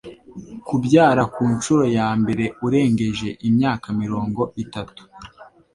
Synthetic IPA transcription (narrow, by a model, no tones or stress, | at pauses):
kubɟaːɾakuːnt͡ʃuɾo̞jaːmbe̞ɾe̞uɾe̞ːŋɡe̞ʒe̞ʔimɲaːkamiɾo̞ːŋɡo̞itatu̥